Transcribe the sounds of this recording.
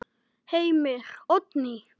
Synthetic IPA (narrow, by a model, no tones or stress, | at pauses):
hejmeχɔt̪ni